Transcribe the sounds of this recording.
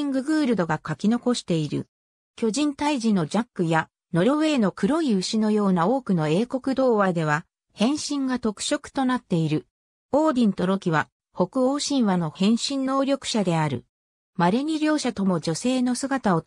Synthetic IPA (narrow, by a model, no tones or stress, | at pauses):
iŋɡɯ̟ɡɯ̟ːɾɯ̟d̪o̞ɡakakʲino̞ko̞ɕi̥t̪e̞iɾɯ̟̰ | kʲo̞ʑĩnt̪aiʑino̞d͡ʑakːɯ̟ja | no̞ɾʲo̞βe̞ːno̞kɯ̟ɾo̞iɯ̟ɕino̞jo̞ːnao̞ːkɯ̟no̞e̞ːko̞kɯ̟d̪o̞ːβad̪e̞β̞a | hẽ̞ɰ̃ɕĩŋɡat̪o̞kɯ̥ɕo̞kɯ̟̥t̪o̞nat̪ːe̞iɾɯ̟ | o̞ːd̪ʲĩnt̪o̞ɾo̞kʲiβa | ho̞kɯ̟o̞ːɕĩɰ̃βano̞hẽ̞ɰ̃ɕĩnːo̞ːɾʲo̞kɯ̟̥ɕad̪e̞aɾɯ̟̰ | maɾe̞ɲ̟ʲiɾʲjo̞ːɕat̪o̞mo̞d͡ʑo̞se̞ːno̞sɨɡat̪ao̞